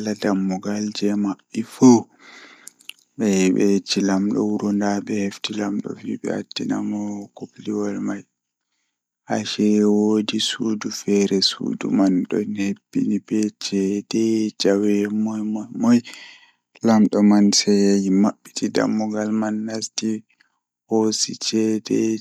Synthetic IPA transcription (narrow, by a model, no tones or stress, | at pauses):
ladamːɔɡald͡ʒɛmaɓːifu | ɓɛɛɓɛt͡ʃilamɗɔ̰wuɾɔndaɓɛheftilamɗɔ̰fiɓɛ̰a̰tːina̰mɔkopliwalmaj | haʃɛwodisudufɛɾɛsṵːdṵmanɗɔnhebːinibɛt͡ʃɛdɛd͡ʒawɛmɔmɔj | lamɗɔmansɛjajimaɓːitida̰mːɔɡalmanːasti | hosit͡ʃɛdɛ